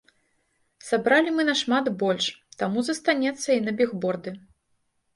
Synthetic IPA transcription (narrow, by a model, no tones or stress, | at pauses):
sabɾalʲimɨnɐʂmad̪bɔlʲʂt̪amuzɐst̪anʲɛt̪sːɐinɐbʲɛɣbɔrd̪ɨ